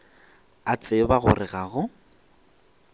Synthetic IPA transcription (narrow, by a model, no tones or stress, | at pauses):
at͡sʼɪbaɣʊ̰rɪɣaɣʊ